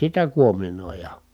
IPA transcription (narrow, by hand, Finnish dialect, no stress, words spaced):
sitæ kuominoˑijɑ